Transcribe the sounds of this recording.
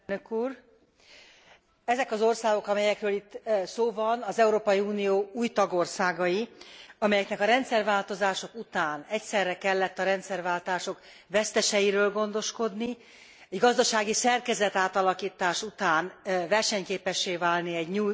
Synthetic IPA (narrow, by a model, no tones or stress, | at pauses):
nøkuːr | ɛzɛkɒzo̞rsaːɡo̞kɒmɛjɛkrøːlit̪ːsoːvɒnɒzɛuɾoːpɒjiuːnijoːuːjt̪ɒɡo̞rsaːɡɒjiɒmɛjɛknɛkɒɾɛnt̪sɛrvaːlt̪o̞zaːʃo̞kut̪aːnɛcsɛrːɛkɛlːɛt̪ːɒɾɛnt̪sɛrvaːlt̪aːʃo̞k | vɛst̪ɛʃɛjiɾøːlɡo̞n̪d̪o̞ʃko̞d̪ni | ɛɟɡɒzd̪ɒʃaːɡisɛrkɛzɛt̪aːt̪ɒlɒkiːt̪aːʃut̪aːnvɛrʃɛɲkeːpɛʃːeːvaːlniɛɟɲuː